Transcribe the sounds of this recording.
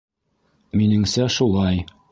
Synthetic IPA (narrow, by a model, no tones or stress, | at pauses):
minɘ̆ŋsæʃulˠɑj